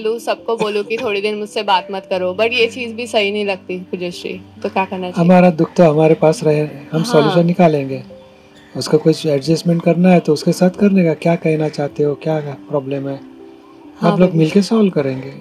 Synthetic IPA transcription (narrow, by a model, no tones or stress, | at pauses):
lusɐb̚koboːlukit̪ʰoːɽid̪ɪnmʊd͡ʒsebaːt̪mɐt̪kɐɾoːbɐʈjet͡ʃiːzbʱisɐɦinɐɦĩlɐɡ̚t̪ipʊd͡ʒeʃɾḭːt̪okʲjaːkɐɾnaaɦaɦɐmaːɾad̪ʊk̚ʰt̪oɦɐmaːɾepaːsɾɐɦeɦɐmsɔːljuːʃ̬ə̃nːɪkaːlẽːŋɡeː | ʊskakʊt͡ʃʰɛɖd͡ʒəsmɛ̃ɳʈ̚kɐɾnaɦɛt̪oʊskesaːt̪ʰkɐɾnekakjaːkɛɦnat͡ʃaːɦt̪eɦokjaːpɾɔːbleːmɦɛː | aːbloɡmɪlkesɔːlkɐɾẽːŋɡeː